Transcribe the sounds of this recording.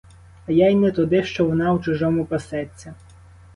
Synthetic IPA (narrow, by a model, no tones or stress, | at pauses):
ɐjajnɛt̪ʊd̪ɪʃt͡ʃɔʋɔnɑut͡ʃʊʒɔmʊpɐsɛt͡sʲːɐ